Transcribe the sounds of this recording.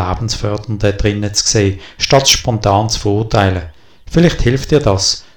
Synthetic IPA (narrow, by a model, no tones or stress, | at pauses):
aːb̥n̩sfœɐd̥əndəd̥ʁɪnət͡skseːʃtɑtʃpɔntɑːnt͡sfəʁʊːɐtʰaɪlə | fɪlɪχthɪlftd̥iːɐdɑs